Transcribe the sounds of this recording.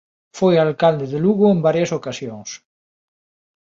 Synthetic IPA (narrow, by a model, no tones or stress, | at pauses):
fojalkald̪eðeluɣoembaɾjɐsokasjoŋs